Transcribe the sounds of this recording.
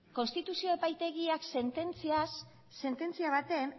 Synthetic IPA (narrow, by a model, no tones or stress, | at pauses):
ko̞nst̪it̪usio̞epajt̪e̞ɣiakse̞nt̪e̞nt͡siasː | e̞nt̪e̞nt͡siaβ̞at̪e̞n